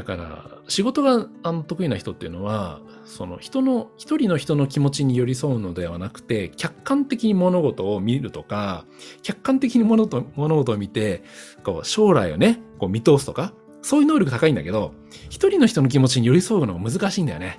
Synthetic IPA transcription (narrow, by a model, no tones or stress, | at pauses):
d̪aka̰ɾa̰ɕiɡo̞t̪o̞ɡaano̞t̪okɯinaçi̥t̪o̞t̪ːe̞iɯ̟no̞βa | so̞no̞̰çi̥t̪o̞no̞çi̥t̪o̞ɾʲino̞çi̥t̪o̞no̞kʲimo̞t͡ɕiɲ̟ijo̞ɾʲiso̞ɯ̟no̞d̪e̞βa̰nakɯ̟̥t̪e̞kʲakːãnt̪e̞kʲiɲ̟imo̞no̞ɡo̞t̪o̞ːmʲiɾɯ̟t̪o̞ka | kʲakːãnt̪e̞kʲiɲ̟imonomono̞ɡo̞t̪oːmʲit̪e̞ko̞̰ːɕo̞ːɾa̰io̞̰ne̞ko̞ːmʲit̪o̞ːsɨ̥t̪o̞ka | so̞ːjiɯnoːɾʲjok̟t̪akaĩnd̪a̰ke̞d̪o̞ | çi̥t̪o̞ɾʲino̞çi̥t̪o̞no̞k̬ʲimo̞t͡ɕiɲ̟ijo̞ɾʲiso̞ɯ̟no̞ɡamɯ̟zɨkaɕiːnd̪a̰jone